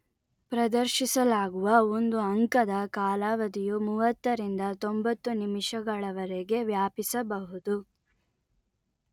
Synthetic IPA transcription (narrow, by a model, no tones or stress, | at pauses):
pɾɐd̪ɐɾʃisɐlaːɡuʋɐond̪uɐŋkɐd̪ɐkaːlaːʋɐd̪ijumuːʋɐt̪ːɐɾind̪ɐt̪o̞mbɐt̪ːunimiʂɐɡɐɭɐʋɐɾeɡe̞ʋjaːpisɐbɐɦud̪u